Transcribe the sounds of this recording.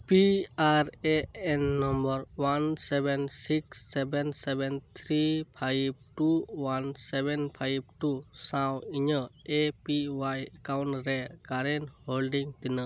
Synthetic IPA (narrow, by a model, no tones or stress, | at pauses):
piaɾeɛnːɔmbɔɾwansɛbɛnsiksːɛbɛnsɛbɛnt̪ʰɾipʰajb̚ʈuwansɛbɛnpʰajb̚ʈusãwiɲə | epiwajkawɳɾɛkaɾɛnholɖiŋt̪inə